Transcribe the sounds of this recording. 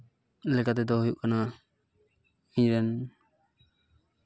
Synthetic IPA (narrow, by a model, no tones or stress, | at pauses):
lɛkat̪ɛd̪ɔɦujuʔkana | miɲɾɛn